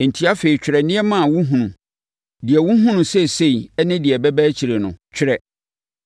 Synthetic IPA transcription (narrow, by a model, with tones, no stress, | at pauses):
n̩˨tʰi˦a˦fe˨i˨t͡ɕᶣɾɛ˨nɪ̃˦ɛ˦mã˦˨a˨wu˦ɦũ˨nũ˨ | dɪ˨ɛ˨wʊ̃˦ɦʊ̃˦nʊ̃˨sɛ˦se˦i˨ɛ˦nɪ̃˦dɪ˨ɛ˨bɛ˦bæ˦t͡ɕʰi˨ɾe˨nʊ̰̃˨t͡ɕᶣʰɪ˦ɾɛ˨